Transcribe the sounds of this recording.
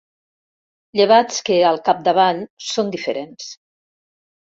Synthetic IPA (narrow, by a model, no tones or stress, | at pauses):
ʎeβ̞at͡skeəlˠkap̚d̪əβ̞aʎsond̪ifəɾens